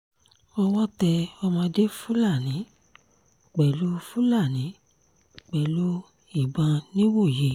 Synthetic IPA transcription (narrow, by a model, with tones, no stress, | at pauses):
ɔ˧w̃ɔ̃˦tɛ˧ɔ˧mã˧de˦fũ˦la˦˨nĩ˨˦ | k͡pɛ˨lu˨˦fũ˦la˦˨nĩ˨˦ | k͡pɛ˨lu˨˦ | i˦˨bã˧nĩ˦wo˦˨je˨